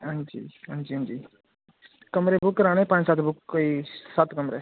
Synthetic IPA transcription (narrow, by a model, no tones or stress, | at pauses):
ɦãnd͡ʒḭːɦãnd͡ʒiːɦãnd͡ʒiː | kɐmɾebʊkːɾaːɽ̃ẽpãːnsaːt̪bʊkːisaːt̪kɐmɾe